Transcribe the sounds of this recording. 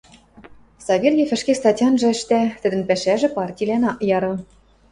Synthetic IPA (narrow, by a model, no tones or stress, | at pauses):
sɑβʲerjefɘ̆ʃkest̪ɑtʲɑnʒɤ̆ɘ̆ʃt̪æt̪ɘ̆d̪ɘ̆npæʃæʒɘ̆pɑrtʲilʲænɑʔjɑɾɤ̆